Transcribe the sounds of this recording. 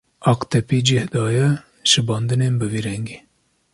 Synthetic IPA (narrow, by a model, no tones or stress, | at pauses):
ɑqt̪ɛpid͡ʒihd̪ɑːjɛ | ʃɨbɑːnd̪ɨnenbɨviɾɛŋɡe